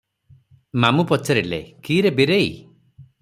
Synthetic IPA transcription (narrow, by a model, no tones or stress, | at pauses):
mamupɔt͡ʃaɾilḛkiːɾebiɾei